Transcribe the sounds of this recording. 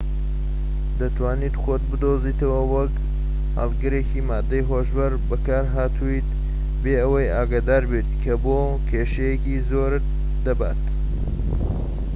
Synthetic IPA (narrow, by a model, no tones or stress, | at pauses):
d̪ɐt̪ʰwaːnit̪xot̪̚bɨd̪oːziːt̪ɐwɐwɐk | ha̰lˠɡɨɾekimaːd̪ːɐjɦoʒbɐɾbɐkaːɾɦaːt̪ʰuit̪ | beːɐwɐjaːɡaːd̪aːɾbet̪kʰɐboː | kʰeːʃɐjekizoːɾ | d̪ɐba̰ːt̪